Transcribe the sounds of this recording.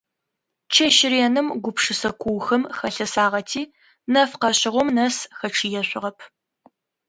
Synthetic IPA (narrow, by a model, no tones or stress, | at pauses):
t͡ʃʰɐʃɪɾeːnɨmɡʷʊpʂɨsɐkʷʰuwxɐmxɐɬɐsaːʁɐtʰiː | nɐfqɐɕɪʁʷɔmnɐsxɐʈ͡ʂʰijɛɕʷʼɪʁɐpʰ